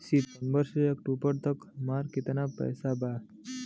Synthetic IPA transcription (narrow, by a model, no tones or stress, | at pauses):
sipənbəɾsejekʈupəɽt̪əkmaɾkit̪enapə̰jsaba